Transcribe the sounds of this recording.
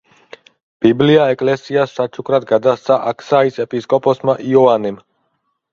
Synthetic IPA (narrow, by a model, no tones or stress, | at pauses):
b̥ibliaɛkʼlɛsiasːat͡ʃʰukʰɾad̪ɡad̪ast̪sʰaʔakʰsaisɛpʼiskʼɔpʼɔsmaʔiɔanɛm